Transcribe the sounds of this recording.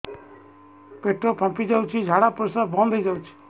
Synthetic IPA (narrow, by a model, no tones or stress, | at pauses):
peʈopʰãpid͡ʒawt͡ʃʰid͡ʒʱaɽapɾosabɔ̃nd̪ʱejd͡ʒawt͡ʃʰi̥